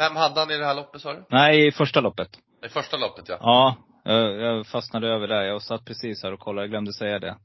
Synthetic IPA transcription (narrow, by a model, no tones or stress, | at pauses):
vɛmhad̪ːəhanɪd̪ɛhæːɭɔpːət̪sɑːɾɵnæɪɪfœʂʈalɔpːət̪ | ɪfœʂʈalɔpːət̪ja̰ɑː | jɑjɑfasnad̪əøːvəɖæjaasat̪̚ːpʰɾɛsiːshæːɾɔkʰɔlːajaɡlœmd̪əsɛjːad̪ɛ̰